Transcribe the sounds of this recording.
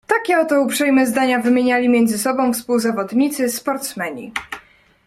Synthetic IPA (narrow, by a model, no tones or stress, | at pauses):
t̪akʲɛɔt̪ɔupʂɛjmɛzd̪aɲavɘmʲjeɲalʲimʲjɛnd̪zɘsɔbɔ̃w̃fspuwzavɔd̪ɲit̪sɘspɔɾt̪smɛɲḭ